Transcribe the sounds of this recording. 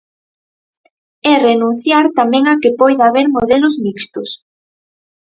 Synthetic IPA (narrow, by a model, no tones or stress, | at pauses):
ɛrenũn̟θjaɾt̪amɛ̃ŋakɪpɔjðaβeɾmoðelʊzmikst̪ʊs